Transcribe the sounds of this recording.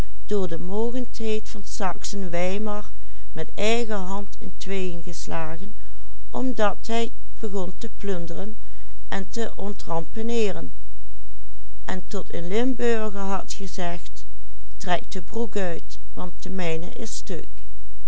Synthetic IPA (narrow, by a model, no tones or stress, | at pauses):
d̥ʊːɹdəmoːɣəntɦejtfɑnsɑksənʋɛjmɑɹ | mɛt | ɛjɣəɦɑntɪntʋejənɣəslaːɣən | ʔɔmdɑtɦɛj | b̥əɣɔntəplɵndərən | ʔɛntəʔɔntrɑmpənɪːrən | ʔɛntɔtɪ̰nlɪmbøɹɣəɹɦɑtχəzɛχt | trɛk̚dəbrukœɥt | ʋɑntəmɛjnə̰ʔɪsstɵ̰k